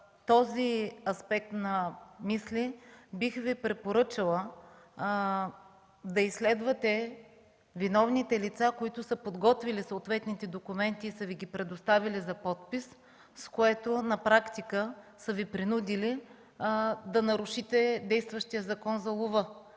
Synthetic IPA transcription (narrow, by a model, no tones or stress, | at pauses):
t̪ɔziɐspɛk̚t̪nɐmislibixvipɾɛpoɾɤt͡ʃɐlˠə | d̪ɐislɛd̪vɐt̪ɛ | vinɔvnit̪ɛlit̪sakoit̪ʊsɤpod̪ɡɔt̪vilisoːt̪vɛt̪nit̪ɛd̪okʊmɛnt̪iːsəviɡʲipɾɛd̪ost̪avilizɐpɔt̪̚pis | skoɛt̪ʊnɐpɾakt̪ikəsəvipɾinud̪ʲili | d̪ɐnɐɾʊʃit̪ɛd̪ɛjst̪vəʃt̪ijəzɐkɔnzɐlˠovɤ